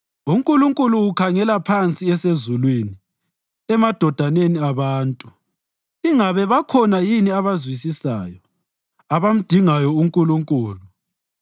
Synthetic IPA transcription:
uŋkʼuluŋkʼuluːkʰaŋɛlapʰant͡sʼiɛsezulweni | ɛmad̥ʱɔd̥ʱaneniaβaːntʼu | iŋaβɛβakʰɔnajiniaβazwisisa̰ːjɔ | aβam̩d̥ʱiŋajɔuŋkʼuluŋkʼuːlu

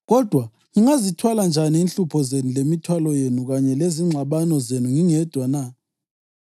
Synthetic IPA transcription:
ɣɔd̥ʱwa | ŋiŋazitʰwaland͡ʒʱaniiːnɬupʰɔzenulemitʰwalɔjenuɣaɲɛleziŋ͡ǀʱaɓanɔzenuŋiŋɛd̥ʱwana

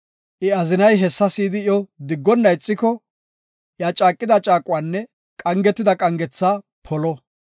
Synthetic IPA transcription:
ʔɪɐzɪnɐjɦɛsːɐsiːd̪ɪjɔd̪ɪɡːɔnːɐjt͡sʼːɪkɔ | ʔjaːt͡ʃʼaːkʼːɪd̪ɐt͡ʃʼaːkʼʊwaːnːɛ | kʼɐŋɡɛt̪ːɪd̪ɐkʼɐŋɡɛt͡sːaː | pʰɔlɔ

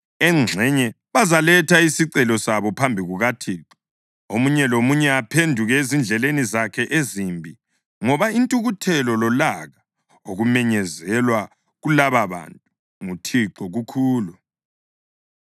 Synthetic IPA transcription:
ɛŋ͡ǀʱɛɲɛ | βazalɛtʰaisiǀɛlɔsaβɔpʰambʱiɣuɣatʰiːǁɔ̥ | omuɲɛlomuɲɛapʰendʱuɣɛezind͡ɮʱɛlenizakʰɛʔezimbʱi | ŋɔβaintʼuɣutʰɛlɔlɔlaɣa | oɣumɛɲɛzɛlwa | ɣulaβaβa̰ntʼu | ŋutʰiǃɔɣukʰuːlu

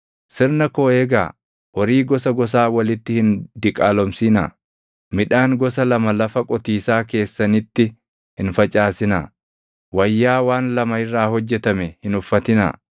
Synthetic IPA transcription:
sɪɾnɐkoːeːɡa̰ː | ʔɔɾiːɡɔs̬ɐɡɔs̬aːwɐlɪt̪ːɪhɪnd̪ɪkʼaːlɔmsiːna̰ː | mɪᶑaːŋɡɔs̬ɐlɐmɐlɐfɐkʼɔt̪iːsaːke̞ːsːɐnɪt̪ːɪ | hɪnfɐt͡ʃʼaːsɪna̰ː | wɐjːaːwaːnlɐmɐɪrːaːhɔd͡ʒːɛt̪ɐmɛhɪnʊfːɐt̪ɪnɐ̰

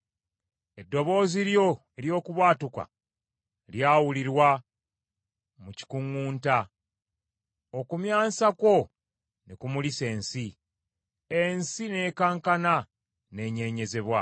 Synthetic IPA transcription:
e̞dːo̞βo̞ːziɾjo̞ | eɾjo̞ːkuβwaːtuka̰ | ljaːwuliɾwa | muci̥kuŋuːnta | okumjaːsako̞ | nikumulise̞ːnsi | ensine̞ːkaːŋkana | ne̞ːɲe̞ɲe̞ze̞βwa

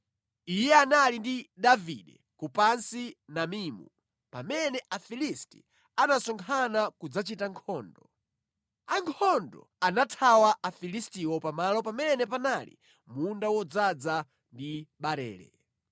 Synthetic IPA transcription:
ijɛanalindiɗavḭɗɛ | kupansinamiːmṵ | pamɛnɛʔafilisti̥̰ | anasɔŋkʰanakud͡zat͡ʃitaŋkʰɔːndɔ | aŋkʰɔndɔ̰ | anatʰawaʔafilistiwɔpamalɔpamɛnɛpanalḭ | mundawɔd͡zad͡za | ndiɓaɾɛ̰ːlɛ̰

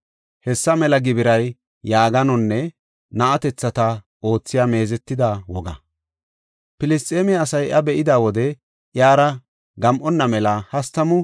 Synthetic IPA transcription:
hɛsːɐmɛlɐɡɪbɪɾɐjː | aːɡɐnɔnːɛ | nɐʔɐt̪ɛt͡sːɐt̪ɐ | ʔo̞ːt͡sːɪjaːme̞ːzɛt̪ːɪd̪awɔɡɐ̰ | pɪlɪst̪ʼeːmɪɐːsɐjʔɐbɛʔɪd̪aːwɔd̪ɛ | ʔjaːɾɐ | ɡɐmʔɔnːɐmɛlɐhɐst̪ːɐmʊ

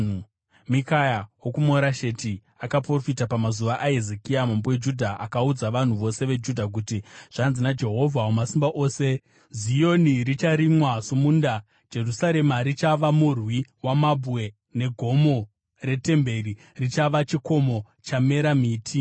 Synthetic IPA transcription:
mikajawokumoɾaʃeti | akapro̞fitapamazuʋaʔaezekiamambowed͡ʒudʱaakaud͡zaʋan̤uʋo̞se̞ʋe̞d͡ʒudʱak̬utiʐ̥anzinad͡ʒe̞ɦo̞vʱawomasimbaʔo̞ːse | zijo̞nirit͡ʃaɾimwasumuːnda | d͡ʒe̞rusaɾemaɾit͡ʃaʋamurwiwamabʱwe̞ | ne̞ɡʱo̞mo̞ | re̞te̞mbe̞ri | rit͡ʃaʋat͡ʃiko̞mo̞ | t͡ʃame̞ɾamiːtʰi

